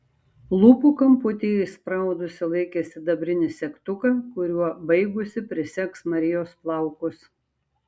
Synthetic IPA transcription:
lˠʊpuːkɐmpʊt̪ʲespɾɑˑʊd̪ʊsʲɪlˠɐɪkʲɛsʲɪd̪ɐbʲɾʲɪnʲɪsʲɛkt̪ʊkɐkʊɾʲuɔbɐɪɡʊsʲɪpʲɾʲɪsʲɛksmɐɾʲɪjoːsplˠɑˑʊkʊs

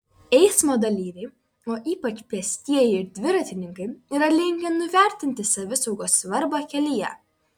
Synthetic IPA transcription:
ɛɪsmoːd̪ɐlʲiːɾʲɛɪ | oːʔiːpɐt͡ʃpʲɛsʲt̪ʲiɛjɪɪɾd̪ʲʋʲɪɾɐt̪ʲɪnʲɪŋkɐɪiːɾɐlʲɪŋʲɡʲʋʲɛnʊʋʲæˑɾʲt̪ʲɪnʲt̪ʲɪsɐʋʲɪsɒʊɡoːsʋɐɾbokʲɛlʲɪjɛ̰

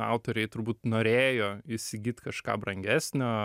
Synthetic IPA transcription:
ɑ̰ʊt̪oːɾʲɛɪt̪ʊɾbuːt̪noːɾʲeːjoːɪsʲɪɡʲiːt̪ʲkɐʃkɑ̰ːbɾɐŋʲɡʲæːsʲnʲoː

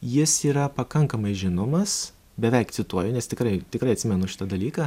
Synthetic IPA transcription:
jɪsiːɾɐpɐkɐŋkɐmɐɪʒʲɪnoːmɐs | bʲɛʋʲɛɪkt̪sʲɪt̪uɔjʊnʲɛst̪ʲɪkɾɐɪt̪ʲɪkɾɐɪɐt̪ʲsʲɪmʲɛnʊʃʲɪ̥t̪ɐd̪ɐlʲiːkɐː

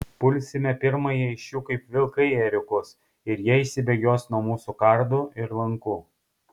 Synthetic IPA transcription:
pʊlʲsʲɪmʲɛpʲɪɾmɐjiɪʃʲjuːkɐɪpʋʲɪlˠkɐɪɛɾʲʊkʊs | ɪɾjiɛɪʃsʲɪbʲɛɡʲoːsnuɔmuːsukɐɾd̪uɪɾlˠɐŋkuː

